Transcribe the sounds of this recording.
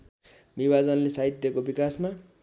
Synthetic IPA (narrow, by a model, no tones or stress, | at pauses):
nibad͡zʌnlesaɦit̪ːjʌkobikasma